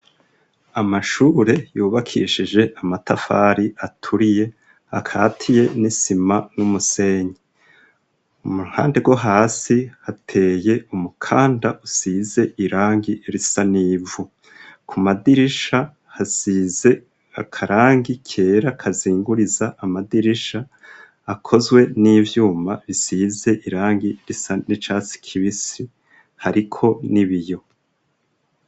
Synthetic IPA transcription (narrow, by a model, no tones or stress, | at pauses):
amaʃuːɾe̞juːβakʰḭʃid͡ʒe̞ʔamatafaːɾiʔatʰuɾije̞ | hakʰaːtʰije̞nisimanumuse̞ɲe | umuha̰ːnde̞ɡwo̞ɦaːsihatʰe̞ːje̞umukʰaːndaʔusiːze̞iɾaːŋɡieɾisaniːvu | kʰumadiɾiʃa | hasiːze̞ | a̰kʰaɾaːŋɡikʰe̞ːɾakʰaziːŋɡuɾizaʔːmadiɾiʃaː | kʰo̞zɡwe̞niːvjuːmaβisiːze̞ʔiɾaːŋɡiɾisanit͡ʃaːsi̥kʰiβisi | haɾikʰo̞niβijo̞